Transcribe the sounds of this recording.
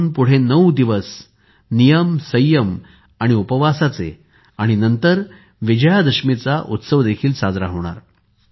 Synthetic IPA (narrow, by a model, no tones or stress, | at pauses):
npuɽ̤enəwd̪iʋəs | nijəmsəjːəm | aɽ̃iupəʋasat͡sḛ | aɽ̃inənt̪əɾ | ʋid͡ʑəjad̪əʂmet͡saʔut̪səʋd̪ekʰiːlsad͡zɾaɦoɽ̃a̰ɾ